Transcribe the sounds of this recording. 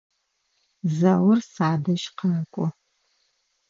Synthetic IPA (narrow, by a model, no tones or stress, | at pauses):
zɐwʊrsaːdɐʃqʰankʷʼʊ